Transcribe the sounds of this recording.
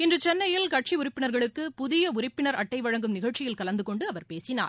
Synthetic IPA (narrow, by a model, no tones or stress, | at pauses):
ɪndrɯt͡ʃɛnːɐjɪlkɐʈ̚t͡ʃiʊɾɪpːɪnɐɾɣɐɭɯkːɯpʊðɪjɐʊɾɪpːɪnɐɾɐʈːɐɪʋɐɻɐŋɡɯmnɪɣɐɻt͡ʃɪjɪlkɐlɐnd̪ɯkɔɳɖɯɐʋɐɾpeːsɪna̰ːɾ